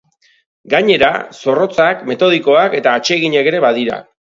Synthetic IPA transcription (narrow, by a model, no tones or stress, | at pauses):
ɡaɲe̞ɾa̰so̞ro̞t͡sakme̞t̪o̞ð̞iko̞ake̞t̪aːt͡ʃe̞ɣiɲe̞ke̞ɾe̞βað̞iɾa̰